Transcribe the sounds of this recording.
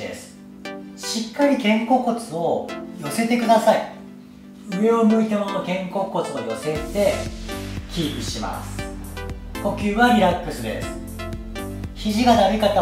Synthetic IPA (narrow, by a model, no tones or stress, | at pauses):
d̪ḛsɨ̥ | ɕikːaɾʲikẽ̞ŋko̞ːko̞t͡sɨo̞jo̞se̞t̪e̞kɯd̪asai | ɯ̟e̞o̞mɯ̟it̪e̞mo̞no̞kẽ̞ŋko̞ːko̞t͡sɨojo̞se̞t̪e̞ | kʲiːbɯ̟ɕima̰sɨ̥ | ko̞kʲɨːβaɾʲiɾakːɯ̟sɨd̪e̞̰sɨ̥ | çiʑiɡad̪aɾʲikat̪a